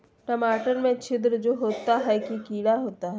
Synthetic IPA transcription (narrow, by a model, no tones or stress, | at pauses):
ʈɐmaːʈəɾmẽt͡ʃʰɪd̪ɾd͡ʒoːɦoːt̪aɦɛkikiːɽaɦoːt̪aɦɛ